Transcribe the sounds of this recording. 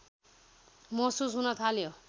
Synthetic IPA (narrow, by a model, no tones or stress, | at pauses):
mʌsusɦunʌt̪ʰaljo